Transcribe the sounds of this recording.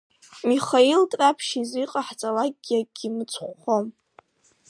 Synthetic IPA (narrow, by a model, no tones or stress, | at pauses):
miχailtʼrapʰʃiziqʼaħt͡sʼalakʼʲːjaɡ̥ʲimɨt͡sʷʰʼχʷːom